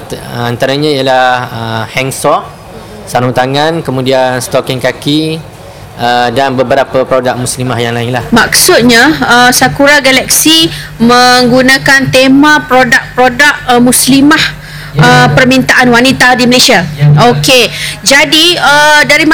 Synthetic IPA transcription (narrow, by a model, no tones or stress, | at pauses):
ant̪aɾaɲãijalaəhɛŋsɔʔ̚ | saɾut̪aŋãnkəmũdianst̪ɔkɛŋkaki | ədanbəbəɾapapɾodak̚muslimahjaŋlaɪŋlahmaksʊt̪̚ɲãəsakuɾaɡalak̚simə̃ŋɡunãkant̪emãpɾodaʔ̚pɾodaʔ̚mũslimah | əpərmint̪aʔanwanit̪adiməlesiaoked͡ʒadiədaɾim